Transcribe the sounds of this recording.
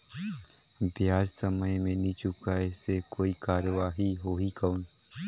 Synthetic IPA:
bjaːd͡ʒsəməjmẽnĩt͡ʃʊkaɛsekoːikaːɾəʋaːɦiɦoːɦikaun

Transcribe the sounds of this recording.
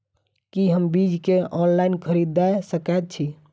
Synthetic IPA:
kiɦəmbid͡ʒkeɔnlainkʰəɾid̪ːajsəkat̪̚t͡ʃʰi

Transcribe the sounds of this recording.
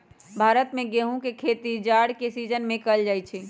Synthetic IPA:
bʱaːɾət̪mẽɡeɦũkekʰet̪id͡ʒaɽkesid͡ʒənmẽkəld͡ʒajt͡ʃʰi

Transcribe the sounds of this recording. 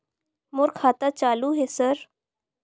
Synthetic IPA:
moɾkʰaːt̪at͡ʃaːluɦesəɾ

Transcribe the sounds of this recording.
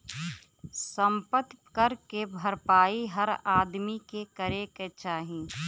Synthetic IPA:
sə̃mpət̪kəɾkebʱəɾpaːiɦəɾaːd̪mikekəɾeket͡ʃaːɦĩː

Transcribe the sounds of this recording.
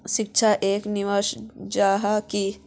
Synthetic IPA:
ʃɪk̚t͡ʃʰaʔeːkniʋəʃd͡ʒaːɦaki

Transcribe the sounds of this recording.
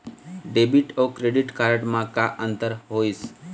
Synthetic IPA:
ɖebiʈokɾeɖiʈkaɾəʈmãkaʔənt̪əɾɦois

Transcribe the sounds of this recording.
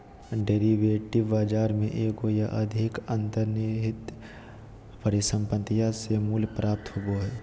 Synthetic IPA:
ɖeːɾiʋeːʈɪʋːaːd͡ʒaːɾmẽʔeːɡoːjaʔɐd̪ʱɪkə̃nt̪əɾniɦɪt̪ | pəɾɪsə̃mpət̪ijasemuːlpɾaːp̚t̪ɦʊboɦɛː

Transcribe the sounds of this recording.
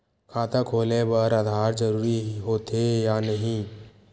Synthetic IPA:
kʰaːt̪ʰakʰoːlebəɾad̪ʱaːɾd͡ʒəɾuːɾiɦoːt̪ejanɐɦĩ

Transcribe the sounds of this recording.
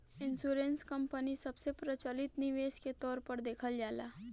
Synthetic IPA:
ɪnsuɾenskəmpənisəbsepɾət͡ʃəlit̪niʋesket̪ɔːɾpəɾd̪eːkʰəld͡ʒaːla̰

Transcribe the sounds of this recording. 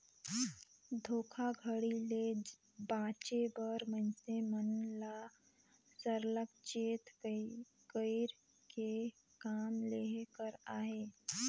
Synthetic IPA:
d̪ʱoːkʰaɡʱəɽile | bãːt͡ʃebəɾmənsemənla | səɾləkt͡ʃeːt̪ | kəɪɾ | ke | kaːmleːɦkəɾaːɦeː

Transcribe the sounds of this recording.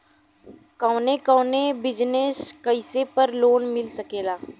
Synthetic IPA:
kɐːʊnekəːnebɪd͡ʒneskɐɪsepəɾloːnmɪlsɐkeːlaː

